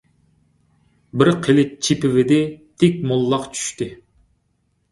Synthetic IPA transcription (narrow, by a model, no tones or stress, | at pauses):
bɪɾqʰelɪt͡ʃʰipɪvɪd̪ɪt̪ʰɪk̚ʲmolˠːɑqt͡ʃʰy̥ʃt̪ɪ